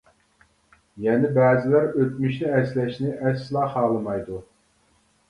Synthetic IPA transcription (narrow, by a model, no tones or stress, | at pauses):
jɛnɪbɛːzɪlæɾøt̪̚myʃnɪɛslɛʃnɪʔɛsːɨlˠɑχɑːlˠɨmɑjd̪u